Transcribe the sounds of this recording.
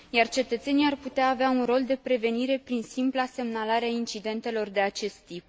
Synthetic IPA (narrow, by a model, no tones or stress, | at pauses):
jart͡ʃe̞t̪ət̪se̞nijarput̪eaːveaunro̞ld̪e̞pɾe̞ve̞niɾe̞pɾinsimplase̞mnalaɾeaint͡ʃid̪e̞nt̪e̞lo̞rd̪e̞at͡ʃe̞st̪ːip̚